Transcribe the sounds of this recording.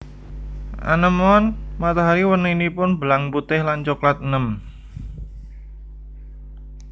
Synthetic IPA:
ʔa̰nəmɔnmat̪aɦaɾiwənəinipʊnbəlaŋput̪ɪhlant͡ʃoklat̪̚ənəm

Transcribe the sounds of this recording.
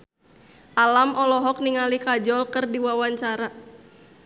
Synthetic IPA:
ʔalamʔɔlɔɦɔk̚niŋalikad͡ʒɔlkərdiwawaɲt͡ʃaɾa

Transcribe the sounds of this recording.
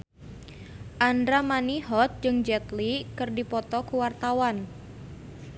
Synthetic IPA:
ʔandɾamaniɦɔt̪̚d͡ʒɨŋd͡ʒɛt̪likɨrdipɔt̪ɔkuwart̪awan

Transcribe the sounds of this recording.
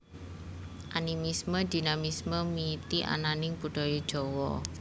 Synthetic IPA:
ʔanimisməd̪̥i̤namisməmit̪iʔa̰nanɪŋpuɖ̥ɔ̤jid̥ʒ̥ɔ̤wɔ̰

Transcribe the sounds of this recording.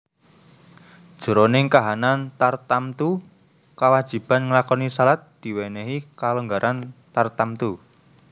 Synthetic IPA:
d̥ʒ̥o̤ɾonɪŋkaɦanant̪art̪amt̪u | kawad̥ʒ̥i̤b̥a̤nŋəlakɔnisalat̪̚d̪̥i̤wɛnɛɦikaluŋɡaɾʔant̪art̪amt̪u

